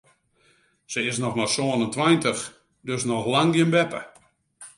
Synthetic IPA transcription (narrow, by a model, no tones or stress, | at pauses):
səɪsnɔxmasoənəntʋajntəx | døsnɔxlaŋɡjɪnbɛpə̰